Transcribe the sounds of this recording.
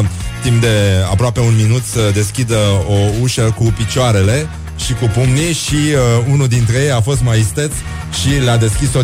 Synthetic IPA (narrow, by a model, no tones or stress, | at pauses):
t̪impd̪e̞a̰pɾoape̞unminut̪səd̪e̞skʲid̪əo̞uʃəkupit͡ʃoaɾe̞le̞ | ʃikupumniʃiunuld̪int̪ɾe̞jejafo̞st̪maist̪et̪s | ʃilad̪e̞skʲiso